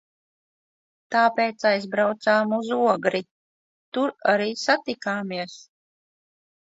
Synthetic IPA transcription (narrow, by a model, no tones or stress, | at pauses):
t̪aːpeːt̪sajzbɾawt̪saːmuzuɔɡɾi | t̪uɾaɾiːsat̪ikaːmiɛs